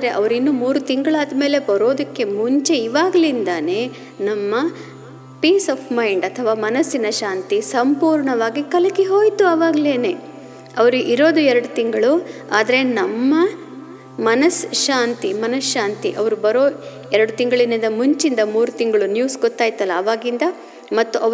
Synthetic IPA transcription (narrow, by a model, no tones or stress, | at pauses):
ad̪ɐɾeʔɐʋɐɾinːumuːɾut̪iŋɡɐɭaːd̪me̞ːle̞bɐɾo̞ːd̪ɐkːe̞muɲt͡ʃe̞iʋaːɡɐlind̪ɐne̞ː | nɐmːɐ | piːsɐːpmɐjɳɖɐt̪ʰɐʋaːmɐnɐsːinɐʃaːnt̪isɐmpuːɾɳɐʋaːɡikɐlɐkiɦo̞ːjt̪uɐʋaːɡɐleːne̞ː | ɐʋɐɾuʔiɾo̞ːd̪uɛɾɐɽut̪iŋɡɐɭu | aːd̪ɐɾe̞nɐmːɐ | mɐnɐsʃaːnt̪imɐnɐsʃaːnt̪iʔɐʋɐɾubɐɾoː | ɛɾɐɽut̪iŋɡɐɭinɐnd̪ɐmuɲt͡ʃind̪ɐmuːɾut̪iŋɡɐɭunjuːsɡɔt̪ːaːjt̪ɐlːɐːʋaːɡind̪ɐ | mɐt̪ːuʔɐʋ